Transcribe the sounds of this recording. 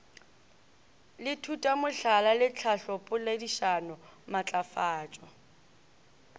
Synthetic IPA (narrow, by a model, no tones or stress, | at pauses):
lɪtʰutʼamʊɬalalɪt͡ɬʰaɬɔpʼʊlediʃanʊmat͡ɬʼafaːt͡ʃʼɔ